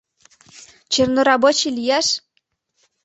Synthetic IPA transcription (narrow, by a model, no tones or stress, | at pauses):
t͡ɕɤ̆rnoɾɑbot͡ɕilʲijæʃ